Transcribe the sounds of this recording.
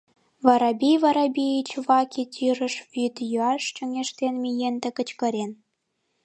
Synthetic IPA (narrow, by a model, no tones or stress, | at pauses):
vɑɾɑbʲijβɑɾɑbʲiit͡ɕβɑkʰʲitʲʰiɾə̆ʃβit̪jyɑʃt͡ɕŏŋʲeʃt̪enmʲijent̪ĕkə̆t͡ɕkɤ̆ɾen